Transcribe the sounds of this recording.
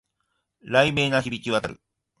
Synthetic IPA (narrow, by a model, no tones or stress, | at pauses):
ɾaimeːnaçibʲikʲiβat̪aɾɯ̟